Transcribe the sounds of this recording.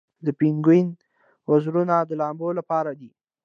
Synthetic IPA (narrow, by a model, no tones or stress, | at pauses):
d̪əpiŋɡin | wazɾunad̪əlɑmbolapɑɾad̪i